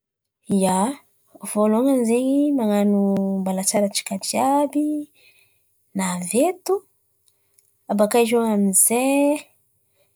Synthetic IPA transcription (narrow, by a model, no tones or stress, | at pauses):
ia | v̥oloŋanzeɲimaŋanumbalat͡saɾat͡ʃi̥kadiabi | navet̪u | abakaʒoŋamize